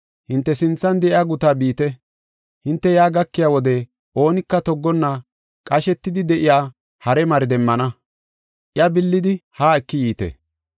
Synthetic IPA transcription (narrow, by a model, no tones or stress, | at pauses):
hɪnt̪ːɛsɪnt͡sːɐnd̪ɛʔɪaːɡʊt̪aːbiːt̪ɛ | hɪnt̪ːɛjaːɡɐkːɪjaːwɔd̪ɛ | ʔo̞ːnɪkːɐt̪ɔɡːɔnːɐ | kʼɐʃɛt̪ːɪd̪ɪd̪ɛʔɪjaː | hɐɾɛmɐɾd̪ɛmːɐnɐ | ʔɪjɐbɪlːɪd̪ɪhaːɛkːɪjiːt̪ɛ̰